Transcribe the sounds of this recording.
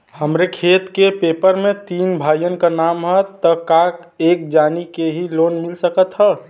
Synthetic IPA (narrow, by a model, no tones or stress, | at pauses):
həmɾekʰet̪kepepəɾmẽt̪iːnbʱajənkanaːmɦət̪ːəkak | ek̚d͡ʒaːnikeɦilonmilsəkət̪ɦə